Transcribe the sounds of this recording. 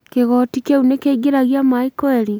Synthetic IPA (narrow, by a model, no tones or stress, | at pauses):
keɣɔtikeunekeiɡeɾaɣjamaikɔeɾi